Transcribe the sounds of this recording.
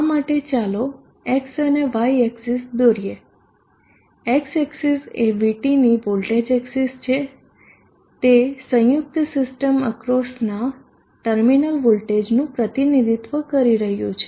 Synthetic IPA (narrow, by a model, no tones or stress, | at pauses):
amaʈet͡ʃalo | eksəneʋajeksisd̪oɾije | ekseksiseʋiʈiniʋolʈed͡ʒeksist͡ʃʰe | t̪esə̃juk̚t̪sɪsʈəməkɾosna | ʈəɾminəlʋolʈed͡ʒnũpɾət̪inid̪ʱit̪ʋəkəɾiɾəɦjṵ̃t͡ʃʰe